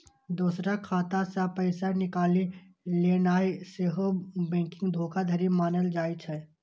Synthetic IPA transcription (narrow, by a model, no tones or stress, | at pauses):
d̪uːsɾakʰaːt̪asapəɪsanɪkaːli | leːnaːiseɦobɛ̃ːkɪ̃ŋɡd̪ʱoːkad̪ʱɐɾimaːnəld͡ʒaːit͡ʃʰɛ